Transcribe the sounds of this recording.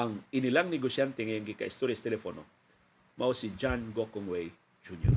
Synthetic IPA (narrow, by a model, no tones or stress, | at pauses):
aŋinilaŋniɡoʃant̪ɛŋeŋɡɪka̰ist̪ɔɾiastelɛfɔnɔ̰ | mʔaosid͡ʒanɡɔkɔŋwe | d͡ʒuɲɔ̰